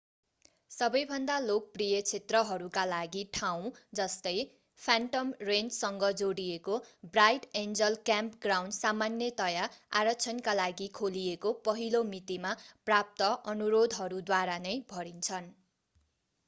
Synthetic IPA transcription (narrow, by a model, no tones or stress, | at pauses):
sʌbʌjbʱʌnd̪alok̚prijʌt͡sʰet̪rʌɦʌɾukalaɡiʈʰaw̃d͡zʌst̪ʌj | pʰaɳʈʌmrent͡ssʌŋɡʌd͡zoɽijekobrajʈend͡zʌlkjampɡrawnɖsamanjʌt̪ʌjaa̰ɾʌt͡sʰʌnkalaɡikʰoliekopʌɦilomit̪imaprap̚t̪ʌʔʌnuɾod̪ʱɦʌɾud̪waɾanʌjbʱʌɾint͡sʰʌn